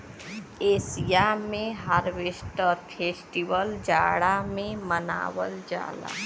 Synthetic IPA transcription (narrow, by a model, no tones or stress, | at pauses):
eːsijamẽɦaɾʋesʈəpʰeːsʈiʋəld͡ʒaːɽamẽməna̰ːʋə̰ld͡ʒa̰ːla̰